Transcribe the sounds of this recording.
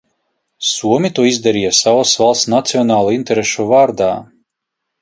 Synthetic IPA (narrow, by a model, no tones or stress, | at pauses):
suɔmʲit̪uɔizd̪ɛɾijasavasvalˠsnat̪siɔnaːlˠinʲt̪ɛɾeʃuvaːɾd̪aː